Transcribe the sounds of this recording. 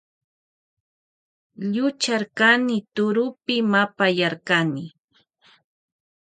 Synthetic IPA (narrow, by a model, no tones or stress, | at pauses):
ʎʊt͡ʃaɾkanɪt̪ʊɾʊpɪmapajaɾkanɪ